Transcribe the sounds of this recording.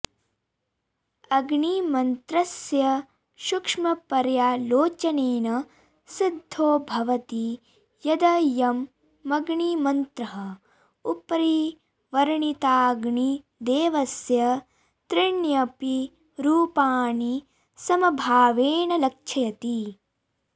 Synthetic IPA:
ɐɡɳimɐnt̪ɾɐsjɐ | ʃukʂmɐpɐɾjaːloːt͡ʃɐneːnɐ | sid̪ʱːoːbʱɐʋɐt̪i | jɐd̪ɐjɐmː | ɐɡɳimɐnt̪ɾɐɦɐ | upɐɾi | ʋɐɾɳit̪aːɡɳi | d̪eːʋɐsjɐ | t̪ɾiɳjɐpi | ɾuːpaːni | sɐmɐbʱaːʋeːɳɐlɐk̚t͡ʃʰɐjɐt̪i

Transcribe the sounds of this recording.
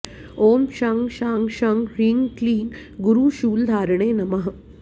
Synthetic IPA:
oːmʃaŋɡʃaŋɡʃaŋɡɾiŋɡkliːɡ | ɡuɾuːʃuːld̪ʱaːɾɳeːnɐmɐɦ

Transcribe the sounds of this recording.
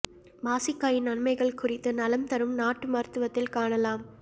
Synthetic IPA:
baːsɪkːaːjɪnɐnmɐɪɣɐɭkʊrɪt̪ːɯnɐlɐmt̪ɐɾɯmnaːʈːɯmɐːɾt̪ɯʋɐt̪ːɪlkaːɳɐlaːm

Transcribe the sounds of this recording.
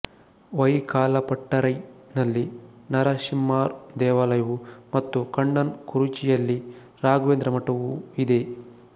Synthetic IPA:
ʋɐjkaːlɐpɐʈːɐɾɐjnɐlːinɐɾɐʃimːaːɾd̪ɛːʋaːlɐjɐʋumɐt̪ːukɐɳɖɐnkuɾut͡ʃijɐlːi | ɾaːɡʋeːnd̪ɾɐmɐʈɐʋuid̪e̞

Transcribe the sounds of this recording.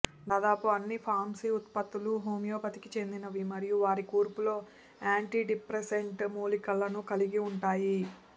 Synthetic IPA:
d̪aːd̪aːpuɐnːipʰaːɾmsiut̪pɐt̪ːuluɦoːmijoːpɐt̪ikit͡ʃe̞nd̪inɐʋimɐɾijuʋaːɾikuːɾpulo̞ː | aːɳʈiːɖipɾeseɳʈmuːlikɐlːɐnukɐliɡiuɳʈaːji

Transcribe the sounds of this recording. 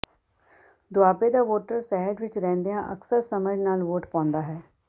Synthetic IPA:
d̪ʊaːpeːd̪aːʋoːʈəɾsɛːɦəɖʋɪt͡ʃɾɛ̃ːnd̪eːãːʔəksəɾsəmənaːlʋoːʈpãːnd̪aːɦɛː

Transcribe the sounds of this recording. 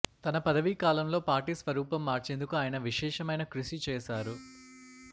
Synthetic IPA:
t̪ɐnɐpɐd̪ɐʋikaːlɐmlo̞ːpaːɾʈisʋɐɾuːpɐmːaːɾt͡ʃend̪ukuaːjɐnɐʋiʃɛːʃɐmɐjnɐkɾuʃit͡ʃɛːʃaːɾu

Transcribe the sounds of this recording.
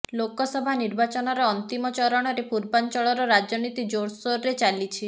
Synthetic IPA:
lokɔsɔbʱaniɾbat͡ʃɔnɔɾɔːnt̪imɔt͡ʃɔɾɔɽ̃ɔɾepuɾbant͡ʃɔɭɔɾɔɾad͡ʒɔnit̪id͡ʒoɽsoɾɾet͡ʃalit͡ʃʰi

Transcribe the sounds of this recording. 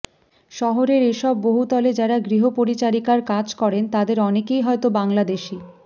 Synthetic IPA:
ʃɔɦoɾeɾeʃɔbːoɦut̪ɔled͡ʑaɾaɡɾiɦopoɾit͡ɕaɾikaɾkad͡ʑkɔɾent̪ad̪eɾɔnekejɦɔet̪obaŋlad̪eʃi

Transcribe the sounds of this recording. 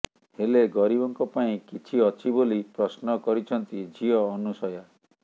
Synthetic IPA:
heleɡɔɾibɔŋkɔpaĩkit͡ʃʰiɔt͡ʃʰibolipɾɔsnɔkɔɾit͡ʃʰɔnt̪id͡ʒʱiɔːnusɔja

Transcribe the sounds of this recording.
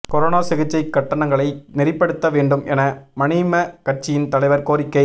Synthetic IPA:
kɔɾoːnaːsɪɣɪt͡ʃːɐɪkːɐʈːɐɳɐŋɡɐɭɐɪnɪrɪpːɐɽɯt̪ːɐʋeːɳɖɯmɛnɐmɐnimɐkɐrt͡ʃːɪjɪnt̪ɐlɐɪʋɐɾkoːɾɪkːɐɪ

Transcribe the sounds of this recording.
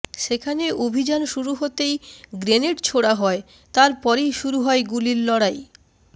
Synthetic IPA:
ʃekʰaneʔobʱid͡ʑanʃuɾuɦot̪ejɡɾeneʈt͡ɕʰoɽaɦɔe | t̪aɾpɔɾejʃuɾuɦɔeɡuliɾlɔɽaj

